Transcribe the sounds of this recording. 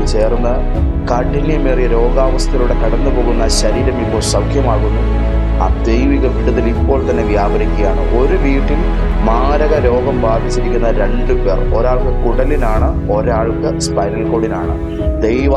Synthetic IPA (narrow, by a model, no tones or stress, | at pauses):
t͡ɕeːrnːɐ | kɐɳʈinːjɐmeːrijɐɾo̞ːɡaːʋɐst̪ʰɐɣɐɭuɽe̞kɐɽɐnːɨpo̞ːɣunːɐɕɐɾiːɾɐmipːo̞ːɭsɐwkʰjɐmaːɣunːu | a̰d̪ejʋiɣrt̪ːɐt̪ːilipːo̞ːɭt̪ɐnːe̞ʋjaːbʱɐɾikʲːɐɣjaːɳɨ̰ʔo̞ɾuʋiːʈːil | maːɾɐɣɐɾo̞ːɡɐmbaːd̪it͡ɕːiɾikʲːunːɐɾe̞ɳɖɨpeːro̞ɾaːɭkɨkuɽɐlinaːɳɨ | o̞ɾaːɭkɨspɐjnɐlko̞ːɽinaːɳɨ | d̪ejʋa